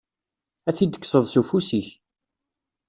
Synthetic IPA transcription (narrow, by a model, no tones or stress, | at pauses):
æθid̪ə̥kːsəðˤsufusiç